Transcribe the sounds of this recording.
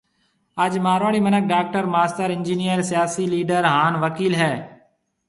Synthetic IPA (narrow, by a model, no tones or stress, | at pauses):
əd͡ʒmaːɾʋaːɽiːmənək̚ɖaːk̚ʈəɾmaːst̪əɾɪ̃nd͡ʒiːnijəɾsɪjaːsiːliːɖəɾɦaːnʋəkiːlɦɛː